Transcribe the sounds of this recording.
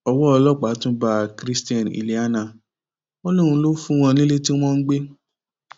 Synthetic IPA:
ɔ˧wɔ˦ɔ˧lɔ˦˨k͡pa˨˦tũ˦ba˦˨kɾi˦sti˦ɛ̃˨n˨ḭ˨li˨a˦na˨ | o˦lo˦˨ɾ̃ũ˧˦lo˦fũ˦w̃ɔ̃˧nĩ˦le˦ti˦w̃ɔ̃˦n̩˦ɡ͡be˦

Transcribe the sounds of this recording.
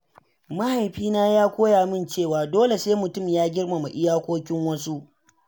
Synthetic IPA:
ma˦ha˨jɸiː˦naː˦jaː˦kʷoː˦jaː˨mɪ˦nt͡ʃeː˦˨waː˨doː˦le˨seː˦mʊ˨tʊ˦˨mjaː˦ɡʲɪ˦rma˨ma˨ʔɪ˦jaː˦kʷoː˦kʲɪ˦ŋwɐ˦su˦ʔ

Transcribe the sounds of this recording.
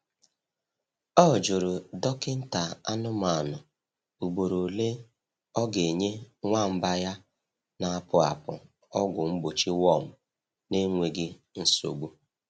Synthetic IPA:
ɔ˦˨d͡ʒʊ˨ɾʊ˨dɔ˦kɪ˦n̩˦ta˨a˦nʊ˦ma˨nʊ˨ | u˨ɡ͡bo˨ɾo˨le˦ | ɔ˦ɡe˨ɲe˦ŋʷa˦˨m̩˦ba˦ja˦ | na˨a˦˨pʊ˦a̰˨pʊ̰˨ | ɔ˦ɡʷʊ˨ŋ͡m̩˦ɡ͡bo˨t͡ʃi˦wɔ˦˨m̩˨ | ne˦ŋʷe˨ɡɪ˦n̩˦so̰˨ɡ͡bu˦

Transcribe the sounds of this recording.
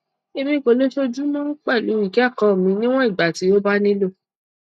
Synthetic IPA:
e˧bi˦˨ko˧˨lo˦ʃo˦d͡ʒu˦mɔ̃˦k͡pɛ˦˨lu˨˦i˦˨ki˨˦a˦˨kɔ̃˨mĩ˨˧˦nĩ˦w̃ɔ̃˦i˦˨ɡ͡ba˨ti˨˦jo˦ba˦nĩ˦lo˦˨

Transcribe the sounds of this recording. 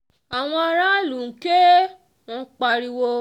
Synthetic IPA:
a˨w̃ɔ̃˧a˧ɾa˦lũ˨ke˦ | w̃ɔ̃˧k͡pa˧ɾi˧wo˧

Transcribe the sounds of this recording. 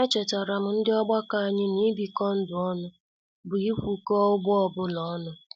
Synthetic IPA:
a˦t͡ʃɛ˨ta˨ɾa˨m̩˨n̩˦dɪ˦ɔ˦ɡ͡ba˦ka˦a˨ɲɪ˦n˦i˦bi˨kɔ˦n̩˦dʊ˨ɔ˦nʊ˦ | bʊ˨i˦kʷu˨kɔ˦ʊ˦ɡ͡bɔ˦ɔ˨bʊ˦lɔ˦nʊ˦

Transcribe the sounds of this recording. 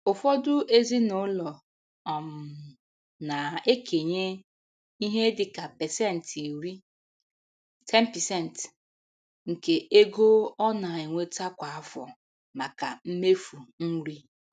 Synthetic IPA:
ʊ˨fɔ˦dʊ˦ʔe˦zi˦no˦lɔ˨ | ɔ˨m˨ | na˨e˦kʰe˨ɲe˦ | i˦ɦe˦dɪ˨ka˨pɛ˨sɛ˦˨n̩˨te˨ɾi˦ | tʰɛ˦m̩˦pɛ˨sɛ˦˨n˨t | ŋ̩˨ke˨e˦ɡo˦ɔ˦na˨e˨ŋʷe˦ta˦kʷa˨a˦fɔ̰˨ | ma˨ka˨m̩˦me˦fu˨n̩˦ɾi˦

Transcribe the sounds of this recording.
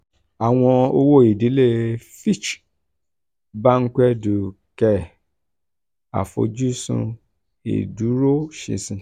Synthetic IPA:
a˨w̃ɔ̃˧o˧wo˦i˨di˨˦le˦fi˦˨t͡ʃ | ba˦ŋ̩˦kɛ˦du˨ | kɛ˧˨ | a̰˨fo̰˧d͡ʒu˦sṵ̃˧ | ḛ˨du˨˦ɾo˦ʃḭ˧˨sĩ˧

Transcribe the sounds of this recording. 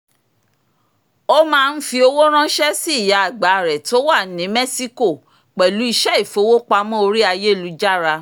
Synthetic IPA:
o˦mãː˦˧n̩˦fi˧o˧wo˦ɾ̃ã˦ʃɛ˦si˦˨ja˨a˨ɡ͡ba˨ɾɛ˨to˦wa˦˨˦nĩ˨˦mɛ˦si˦ko˦˨ | k͡pɛ˨lu˨˦i˧ʃɛ˦i˦˨fo˨˧˦wo˦k͡pa˧˦mɔ̃˦o˧ɾi˦a˧je˦˨lu˨˦d͡ʒa˦ɾa˧

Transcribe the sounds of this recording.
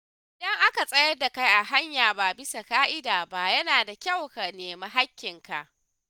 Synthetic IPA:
ʔɪ˨dɐ˦ŋʔa˦ka˨sʼɐ˦jɐ˦rda˨ka˦jʔa˨ɦa˦ɲjaː˨ba˨bɪ˦sa˨kaː˦ʔɪ˦daː˨ba˦ʔjɐ˦naː˨da˨kʲa˦˨wka˨neː˨ma˦ɦa˦kʲːɪ˨ŋka̰˨ʔ

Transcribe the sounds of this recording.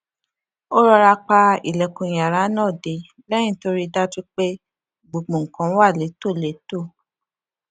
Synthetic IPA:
o˦ɾɔ˧ɾa˧k͡pa˧i˨lɛ˨kũ˨j̃a˨ɾa˨˦nãː˦˨de˨˦ | lɛ̃˦ĩ˦˨to˧ɾi˦˧da˦ti˦k͡pe˦ | ɡ͡bo˨ɡ͡bũ˨ŋ̩˨kã˨˦wa˦˨le˨˦to˦˨le˨˦to˦˨

